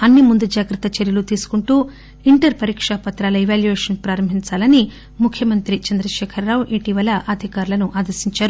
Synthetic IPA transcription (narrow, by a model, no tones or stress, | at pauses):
ɐnːimund̪ud͡ʒaːɡɾɐt̪ɐt͡ʃeɾjɐlut̪iːsu̥kuɳʈuː | iɳʈɐɾpɐɾiːkʂapɐt̪ɾaːlɐiʋaːljuʋeːʂɐnpɾaːɾɐmbʱiɲt͡ʃaːlɐni | mukʰjɐmɐnt̪ɾit͡ʃɐnd̪ɾɐʃɛːkʰɐrːaːwuʔiʈiʋɐlɐʔɐd̪ʱikaːɾulɐnuʔaːd̪ɐɾsiɲt͡ʃaːɾu